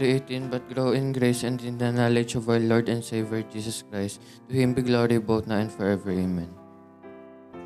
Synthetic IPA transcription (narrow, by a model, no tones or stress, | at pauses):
iet̪ɪ̃nbɐt̪̚ɡɹoʊɪ̃nɡɹejsɛ̃nd̪ɪ̃nd̪ɐnalɛd͡ʒɔvawəlɔɹd̪ɛ̃nd̪sevɛɹd͡ʒiːsɔskɹajst̪ː | ʊhɪ̃mbiɡloɹiboʊt̪naɛ̃nd̪fɔɹɛvɛɹɪ̃mɛ̃n